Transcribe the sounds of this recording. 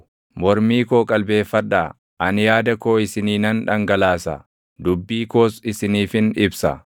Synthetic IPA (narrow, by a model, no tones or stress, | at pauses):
mɔɾmiːkoːkʼɐlbe̞ːfːɐᶑaː | ʔɐnjaːd̪ɐkoːɪsɪniːnɐnᶑɐŋɡɐlaːsɐ̰ | d̪ʊbːiːkoːsɪsɪniːfɪnɪbsɐ̰